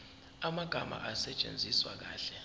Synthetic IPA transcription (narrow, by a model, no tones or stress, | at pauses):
amaɡ̥ʱama̰ʔasɛt͡ʃʼḛnd͡zʱiswa̰k̬aːɬɛ